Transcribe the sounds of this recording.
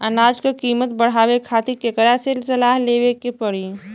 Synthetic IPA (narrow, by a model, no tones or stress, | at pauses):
ənaːd͡ʒkekiːmət̪̚bəɽ̤aːwekʰaːt̪ikekəɾaselsɐlaːɦleːʋekepəɽi